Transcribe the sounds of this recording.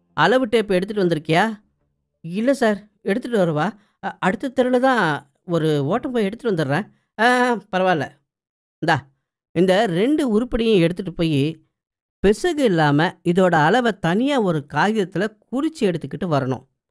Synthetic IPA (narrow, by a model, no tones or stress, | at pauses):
ɐlɐʋɯʈːeːɪpːɐɛɽɯt̪ːɯʈːɯʋɐnd̪ɪɾɯkːɐjaː | ɪlːɐsaːɾ | ɛɽɯt̪ːɯʈːɯʋɐɾɐʋaː | ɐɽɯt̪ːɐt̪ːɛɾɯlɐt̪ãː | ɔɾɯoːʈːɐ̃mpoːjɛɽɯt̪ːɯʈːɯʋɐnd̪ɯɾɾẽː | pɐɾɐʋaːɪlːɐ̰ | nd̪aː | ɪnd̪ɐɾɛɳɖɯʊɾɯpːɐɽɪjʊ̃ɛɽɯt̪ːɯʈːɯpoːji | pɛsɐɣɯɪlːaːmɐɪðoːɽɐːlɐʋɐt̪ɐnɪjaːɔɾɯkaːjɪðɐt̪ːɪlɐk̚ʊɾɪt͡ʃːɯɛɽɯt̪ːɯkːɪʈːɯʋɐɾɐɳʊ̰̃